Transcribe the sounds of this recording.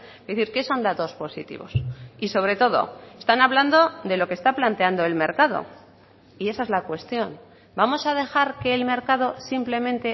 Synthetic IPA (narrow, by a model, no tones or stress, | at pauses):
eθiɾke̞so̞nd̪at̪o̞spo̞sḭt̪ḭβo̞̰siso̞β̞ɾe̞t̪o̞ð̞o̰e̞st̪anaβland̪o̞ðe̞lo̞kest̪aplant̪e̞and̪o̞e̞lme̞ɾkað̞o̞̰ | ie̞saezlakwe̞st̪jo̞n | bamo̞sað̞e̞xaɾke̞ːlme̞ɾkað̞o̞simple̞mẽnt̪e̞